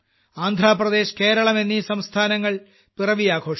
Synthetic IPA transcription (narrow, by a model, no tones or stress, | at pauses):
aːnd̪ʱɾaːprɐd̪e̞ːɕke̞ːɾɐɭɐmenːisɐmst̪ʰaːnɐŋːɐɭ | pirɐʋijaːɡʰʱo̞ːʂ